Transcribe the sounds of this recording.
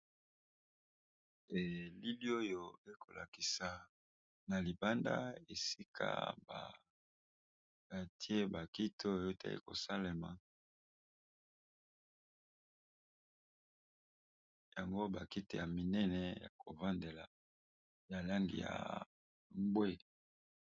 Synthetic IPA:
e˨li˦li˦o˦jo˨e˦kʰo˨la˨ki˨sa˨ | na˨li˨ba˦nda̰˦e˨si˦kʰa̰˦ba̰˨ | a˨ti˦e˦ba˨ki˦tʰo˦jo˦ta̰˦ḭ˦ko̰˨sa˦le˨ma̰˨ | ja˨ŋɡo˦ba˨ki˦te˨ja˨mi˨nɛ˦nɛ˨ja̰˨ko˨va˦nde˨la˨ | ja˨la˦ŋɡḭ˨ja̰˨ | mbwe˦

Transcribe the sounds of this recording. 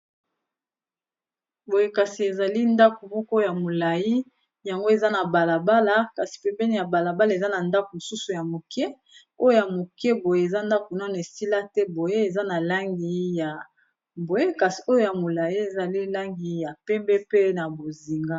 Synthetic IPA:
bo˨je˦ka˨si˨e˨za˨li˦nda˦ko˨mɔ˦kɔ˦ja˨mo˨la˨ji˦ | ja˨ŋɡo˦e˨za˦na˨ba˨la˨ba˦la˦ka˨si̥˨pe˦bɛ˦ni˨ja˨ba˨la˨ba˦la˨e˨za˦na˨nda˦ko˨mo˨su˦su˨ja˨mo˨kɛ˦ | o˦jo˦ja˨mo˨kɛ˦bo˨je˦e˨za˦nda˦ko˨na˦na˨e˨si˦la˦tɛ˦bo˨je˦e˨za˦na˨la˦ŋɡi˨ja˨ | bo˨je˦ka˨si˨o˦jo˦ja˨mo˨la˨ji˦e˨za˨li˦la˦ŋɡi˨ja˨pɛ˦mbɛ˦pe˦na˨bo˨zi˨ŋɡa˦

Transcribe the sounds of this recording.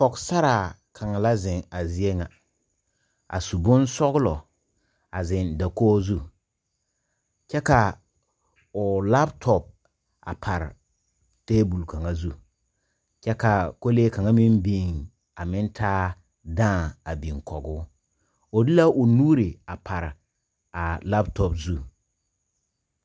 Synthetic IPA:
kɔ˨ksa˦ɾa˨kʰa˨ŋa˨la˦zɪ˨ŋa˨zi˦e˦ŋa˨ | a̰˨su˨bʊ˦nsɔ˦ɣlɔ˨ | a˨zɪ˨nda˨koː˦zu˦ | t͡ʃɛ˦ka˨ | ʊ˨la˦ptʰɔ˨p̚ | a̰˨pʰa˨ɾ | teː˦bu˨lka˨ŋa˦zu˦ | t͡ʃɛ˦ka˨ko˦leː˦ka˨ŋa˦mi˦mbi˦˨ŋ | a˨mɪ˦ntʰaː˦ | dãː˦˨a˨bi˨ŋkʰɔ˨ɡʊ˦ | o˨dɪ˦la˦ʔo˨nuː˦ɾi˨a˨pʰa˨ɾ | a˨la˦btɔ˨bzu˦

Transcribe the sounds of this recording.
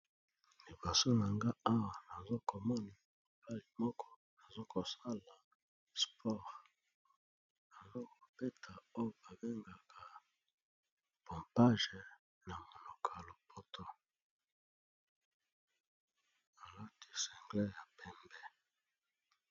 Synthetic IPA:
li˨bo˨so˦na˨ŋɡa˦a˦wa˨na˨zo˦ko˨mɔ˦ni˨ | mo˨ba˦li˨mɔ˦kʰɔ˦ | na˨zo˦ko˨sa˦la˨ | spʰɔ˦˨ʁ | na˨zo˦ko˨pe˦tʰa˨o˦jo˨ba˨be˦ŋɡa˨kʰa˨ | po˨mpa˦ʒe˨ | na˨mo˨lo˨kʰa˨lo˨pʰo˦tʰo˦ | a˨la˦ti˦˨sɛ˨ŋɡlɛ˦ja˨pɛ˦mbɛ˦

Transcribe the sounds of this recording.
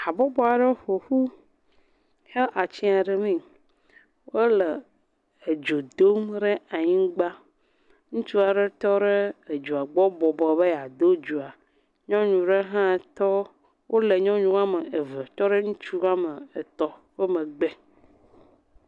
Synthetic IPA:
a˨bɔ˦bɔ˦a˨ɖe˦ɸo˨ɸu˦ | he˦lʔa˨t͡ɕi˦a˨ɖe˨mĩ˦˨ | wo˦le˨ | e˨d͡ʒo˨d̪o˦mɖe˦a˨ɲĩ˦ɡ͡ba˦ | ŋũ˦t͡ʃu˦a˨ɖe˦t̪ɔ˦ɖe˦e˨d͡ʒu˨a˨ɡ͡bɔ˦bɔ˨bɔ˨be˦ja˨d̪o˦d͡ʒu˨a˨ | ɲɔ̃˦ɲũ˨ɖe˦ɦã˦˨t̪ɔ˦ | wʔo˦le˨ɲɔ̃˦ɲũ˦a˦me˨e˨vɛ˨t̪ɔ˦ɖe˦ŋũ˦t͡ʃu˦a˦me˨e˨t̪ɔ˦ɸe˦mẽ˨ɡ͡be˦

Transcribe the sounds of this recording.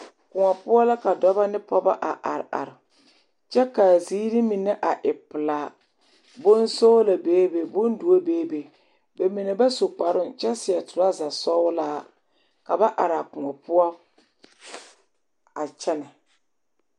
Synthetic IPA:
kʊ˨ŋɔ˨pʊ˦ɔ˦la˦ka˨dɔ˦ba˦nɪ˦pɔ˦ba˦ʔa˨ʔa̰˨ɾɪ˨ʔa̰˨ɾɪ˨ | t͡ʃɛ˦ka˨ziː˦ɾi˦mi˨nɛ˦ʔa˨ʔɪ˨pɨ˨laː˨ | bʊ˦nso˦la˨beː˦be˨bʊ˦n˦du˨o˦beː˦be˨ | be˨mi˨ne˨ba˦so˨k͡pa˨ɾʊ˦nt͡ʃɛ˦sɪ˨ɛ˨tʊ˨ɾa˦za˨sɔ˦laː˦ | ka˨ba˦ʔa˨ɾa˨kʊ˨ŋɔ˨pʊ˦ɔ˦ | a˨t͡ʃɛ˦na˨

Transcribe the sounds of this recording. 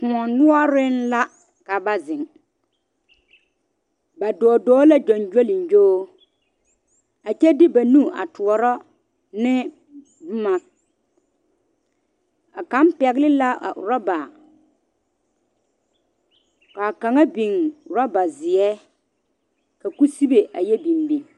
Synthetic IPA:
kũ˨ɔ˨nʊ˦ɔ˦ɾɪ˦n˦la˦ | ka˨ba˦zɪ̃˨ŋ | ba˨dɔː˨dɔː˦la˦d͡ʒɔ˨nd͡ʒo˦lɪ˨n˨d͡ʒoː˦ | a˨t͡ʃɛ˦dɪ˦ba˨nu˦˨a̰˨tu˨ɔ˨ɾɔ˦ | nɪ˦ | bʊ˦ma˨k̚ | a˨ka˨˦m˦pɛ˨ɡlɪ˦la˦a̰˨ɾɔ˦ba˨ | ka˨ka˨ŋa˦bi˨ŋ˨ɾɔ˦ba˨zɪ˨ɛ˦ | ka˨ku˦si˦be˨ʔa˨jɛ˦bi˨mbi˨ŋ

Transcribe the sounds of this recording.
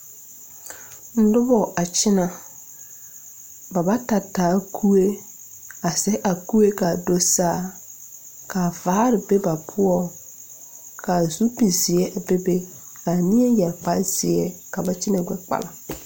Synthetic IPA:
n̩˦dʊ˦bɔ˨ʔa˨t͡ʃɪ˦na˨ | ba˨ba˦ta˨tːaː˨˦kʰu˦e˦ | a˨sɛ˦ʔa˨ku˦e˦ka˨do˦saː˦˨ | ka˨vaː˨˦ɾɪ˨be˦ba˨pʰʊ˦ɔ˦ | ka˨zu˦pi˨zɪ˨ɛ˦ʔa˨be˦be˦ | ka˨nɪ˦ɛ˦jɛ˨lk͡pa˦z̥ɪ˨ɛ˦ka˨ba˨t͡ʃɪ˦na˨ɡʷɛ˦k͡pa̰˨la˨

